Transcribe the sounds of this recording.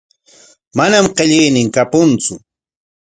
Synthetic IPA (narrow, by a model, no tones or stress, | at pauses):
manamqeʎɪjnɪŋkapʊnt͡sʊ